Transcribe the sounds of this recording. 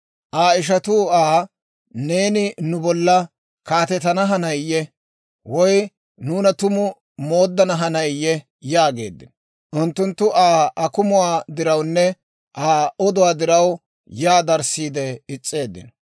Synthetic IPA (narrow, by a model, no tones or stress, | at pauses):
ʔaːɪʃ̬ɐt̪uːaː | ne̞ːnɪnʊbɔlːɐ | kaːt̪ɛt̪ɐnɐɦɐnɐjjːɛ | wɔj | nuːnɐt̪ʊmʊ | moːd̪ːɐnɐɦɐnɐjjːɛ | jaːɡe̞̰ːd̪ːɪnɔ | ʔʊnt̪ːʊnt̪ːʊʔaːɐkʊmʊwaːd̪ɪɾɐwnːɛ | ʔaːɔd̪ʊwaːd̪ɪɾɐw | jaːd̪ɐɾsiːd̪ɛɪt͡sʼːe̞ːd̪ːɪ̰nɔ